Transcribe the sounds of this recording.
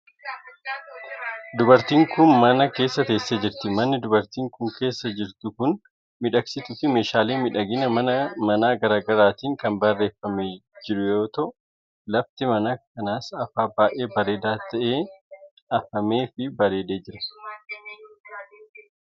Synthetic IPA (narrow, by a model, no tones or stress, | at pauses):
d̪ʊbɐɾt̪iːŋkʊnmɐnɐke̞ːsːɐt̪ɐːsːed͡ʒɪɾt̪ɪmɐnːɪd̪ʊbɐɾt̪iːŋkʊŋke̞ːsːɐd͡ʒɪɾt̪ʊkʊn | mɪᶑɐksɪt̪ʊfɪme̞ːʃaːleːmɪᶑɐɡɪnɐmɐnɐmɐnaːɡɐɾaːɡɐɾaːt̪iːŋkɐnbɐrːe̞ːfːɐmed͡ʒɪᶑʊjo̞ːt̪ɔ | lɐft̪ɪmɐnɐkɐnaːsɐfaːbaːʔe̞ːbɐɾe̞ːd̪aːt̪ɐʔeː | ɐfɐme̞ːfɪbɐɾe̞ːd̪e̞ːd͡ʒɪɾɐ̥